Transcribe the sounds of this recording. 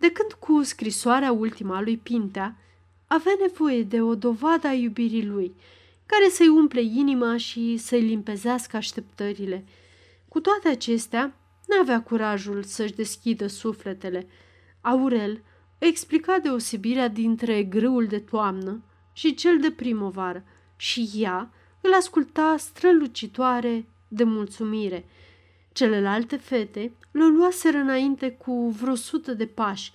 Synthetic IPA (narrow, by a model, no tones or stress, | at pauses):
d̪e̞kɨnd̪̥kʰuskɾisoaɾeault̪imalujpint̪aː | veane̞vo̞je̞d̪e̞o̞d̪o̞vad̪əajubiɾiluj | kaɾe̞səjumple̞inimaʃisəjlimpe̞zeaskəaʃt̪e̞pt̪əɾile̞ | kut̪oat̪e̞at͡ʃe̞st̪ea | nuaveakuɾaʒulsəʃd̪e̞skʲid̪əsufle̞t̪e̞le̞ | auɾe̞l | eksplikad̪e̞ose̞biɾead̪int̪ɾe̞ɡɾɨuld̪e̞t̪oamnə | ʃit͡ʃe̞ld̪e̞pɾimovaɾə | ʃija | ɨlaskult̪ast̪ɾəlut͡ʃit̪oaɾe̞ | d̪e̞mult̪sumiɾe̞ | t͡ʃe̞le̞lalt̪e̞fe̞t̪e̞ | loluase̞ɾɨnaint̪e̞kʰuvɾo̞sut̪əd̪e̞paʃʲ